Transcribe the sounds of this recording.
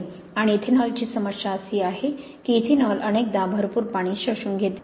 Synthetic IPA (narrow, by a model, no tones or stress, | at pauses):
aɽ̃iːt̪ʰinɔlt͡ɕiːsəməɕaəsiːaɦe | kiːt̪ʰinɔlʔənek̚d̪abʱəɾpuːɾpaɽ̃iːɕəɕuːnɡʱet̪